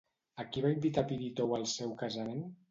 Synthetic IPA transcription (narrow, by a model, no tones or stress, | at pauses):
akiβaimbit̪apiðit̪owəlˠsɛwkazamen